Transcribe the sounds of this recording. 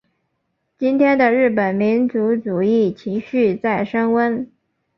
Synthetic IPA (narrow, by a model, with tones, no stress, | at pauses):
t͡ɕi˥nt̪ʰjɛ˥nd̪ə˨ɻɻ̩˥˩pə˨˩nmi˧˥nt͡su˧˥t͡su˨˩i˥˩t͡ɕʰi˧˥ŋɕy˥˧t͡sa˥˩ɪʂə˥ŋwə˥n